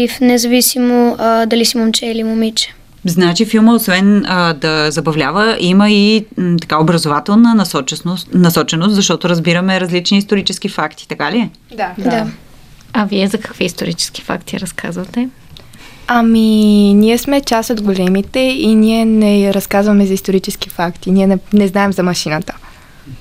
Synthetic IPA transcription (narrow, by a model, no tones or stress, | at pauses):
ifnɛzɐvisimod̪ɐlisimomt͡ʃɛilimomit͡ʃɛ̥ | znat͡ʃifilˠməosvɛnəd̪ɐzɐbɐvlʲavəʔiməit̪ɐ̥kaobɾɐzovat̪ɛlˠnənst͡ʃnnɐsɔt͡ʃɛnost̪zɐʃt̪ɔt̪oɾəzbiɾəmɛɾɐzlit͡ʃniːst̪oɾit͡ʃɛsk̟ifakt̪i̥t̪ɐkaliɛ | d̪ad̪a | ɐviɛzɐkɐ̥kviist̪oɾit͡ʃɛ̥ski̥fa̰kt̪iɾɐskʰa̰zvɐt̪ɛ | ɐminiɛsmɛt͡ʃast̪od̪ɡolɛmit̪ɛiniɛnɛɾɐskazvɐmɛzɐist̪oɾit͡ʃɛsk̟ifakt̪iniɛnɛnɛznaɛmzɐmɐʃinət̪ə̥